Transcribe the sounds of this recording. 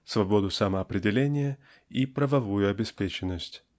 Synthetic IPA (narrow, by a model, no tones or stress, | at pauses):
svɐbo̞d̪ʊsɐməɐpɾʲɪdʲɪlʲenʲɪjə | ipɾəvɐvujʊɐbʲɪspʲet͡ɕɪnːəsʲtʲ